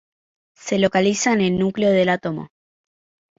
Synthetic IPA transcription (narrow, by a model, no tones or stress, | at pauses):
se̞lo̞kalisane̞lnukleo̞ðe̞lat̪omo̞̰